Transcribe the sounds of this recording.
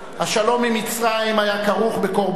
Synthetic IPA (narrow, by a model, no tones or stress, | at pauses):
haʃalo̞mimit͡sʁaimajakaʁuχbeko̞ʁb